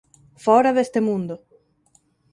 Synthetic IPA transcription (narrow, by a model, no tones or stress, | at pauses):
fɔɾaðest̪emũnd̪ʊ